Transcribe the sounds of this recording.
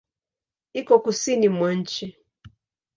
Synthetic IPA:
ikɔkusinimɔn̩t͡ʃi

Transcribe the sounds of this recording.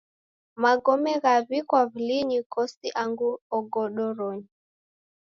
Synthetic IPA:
maɡɔmɛɣaβikwaβiliɲikɔsiʔaŋɡuɔɡɔɗɔɾɔɲi

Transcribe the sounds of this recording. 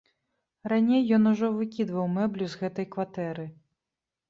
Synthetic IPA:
ɾanʲejːɔnuʐɔvɨkʲid̪vɐwmɛblʲuzɣɛt̪ɐjkvat̪ɛɾɨ

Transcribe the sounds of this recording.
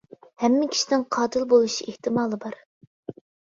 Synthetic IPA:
hɛmːɪkʲʰi̥ʃinɪŋqʰɑːd̪ɨlˠbolˠuʃieht̪ɨmɑːlˠɨbɑɾ

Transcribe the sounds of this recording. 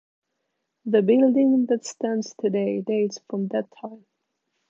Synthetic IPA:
ðɨbɪlˠdɪ̃ŋðɨtstæ̃ndz̥tʰɨdeɪdeɪtsfɹʌ̃mdɨtʰːãɪ̃m

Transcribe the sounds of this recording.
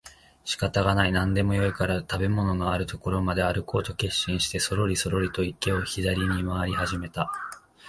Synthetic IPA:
ɕi̥kat̪aɡanainãnd̪e̞mo̞jo̞ikaɾat̪abe̞mo̞no̞no̞aɾɯ̟t̪o̞ko̞ɾo̞mad̪e̞aɾɯ̟ko̞ːt̪o̞ke̞ɕːĩɰ̃ɕi̥t̪e̞so̞ɾo̞ɾʲiso̞ɾo̞ɾʲit̪o̞ike̞o̞çid̪aɾʲiɲ̟imaβaɾʲihaʑime̞t̪a

